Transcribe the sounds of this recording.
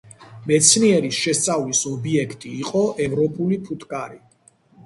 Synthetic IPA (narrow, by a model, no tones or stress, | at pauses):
mɛt̪sʰniɛɾisʃɛst̪sʼavlisɔbiɛkʰt̪ʼiːqʼɔʔɛvɾɔpʼulipʰut̪ʰkʼaɾi